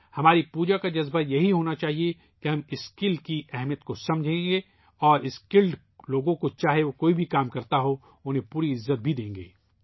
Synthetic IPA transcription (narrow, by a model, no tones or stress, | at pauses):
hɐmaːɾipuːd͡ʒakad͡ʒɐzbajɐɦiɦoːnat͡ʃaːɦie | kiɦɐmɪskɪlɖkiɛɦmijət̪̚kosɐ̃md͡ʒʱẽːɡe | ɔːɾɪskɪlɖ | loːɡõkot͡ʃaːɦeʋokoːibʱikaːmkɐɾt̪aɦo | ʊnɦẽpuːɾiɪzːət̪̚bʱid̪ẽːŋ̆ɡḛː